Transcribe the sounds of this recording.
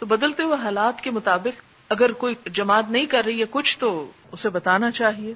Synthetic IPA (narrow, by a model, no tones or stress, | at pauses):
t̪obɐd̪əlt̪eɦueɦaːlaːt̪kemʊt̪aːbɪq | ɐɡəɾkoːid͡ʒɐmaːt̪nɐɦĩkɐɾːɐɦiɦekʊt͡ʃʰt̪o | ʊsebɐt̪aːnat͡ʃaːɦieː